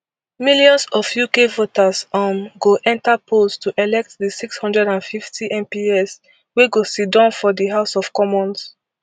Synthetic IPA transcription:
miljɔ̃nsɔfjukevotasɔmɡoʔɛ̃ntapʰolstʰuʔɛlɛk̚t̚ðisikshʌ̃ndɹɛdãnfiftʰiʔɛ̃mpiɛs | weɡosit̚dãnfɔdiɦaʊsɔv̥kɔmɔ̃ns

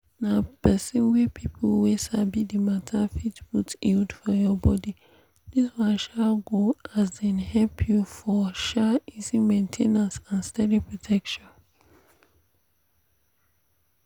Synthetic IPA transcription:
napɛsĩnwɛpʰipʰolwesabidimatʰafitbutildfɔjɔbɔdi | diswãʃaɡoʔas̬dɛ̃nhɛlpʰjufɔʃaizimẽntʰẽnãnsãnstɛdipɹotʰɛkʃɔ̃n

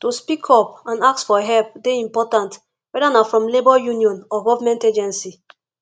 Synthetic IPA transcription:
tospikʰɔpãnaksfɔɦɛlp̚deĩmpɔtãnt | wɛdanafɹɔ̃mlebɔjuniɔ̃nɔɡɔvamɛ̃nted͡ʒɛ̃nsi

